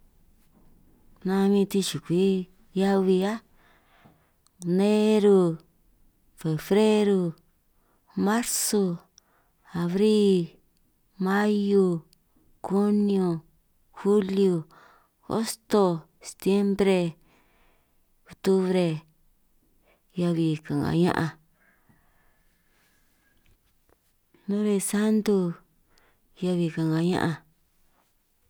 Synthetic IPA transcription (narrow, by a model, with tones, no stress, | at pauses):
nã˧mĩ˧t̪i˧ʃi˨kʷi˨˦ | ja˦βi˧a˦ | ne˦ɾu˧ | fe˨fɾe˦ɾu˧ | mã˦ɾso˧ | a˨βɾi˦ | mã˦ju˧ | ku˦njo˧ | xu˦lju˧˨ | o̰˦st̪o˧ | se̥˨t̪je˦mbɾe˧ | o˨t̪u˦βɾe˧ | ja˧βi˨ka˨ŋɡa̰˨ɲã̰˦ʔa˧ | nõ˦ɾe˧sa˦nd̪u˧ | ja˧βi˨ka˨ŋɡa˨ɲã̰˦ʔa˧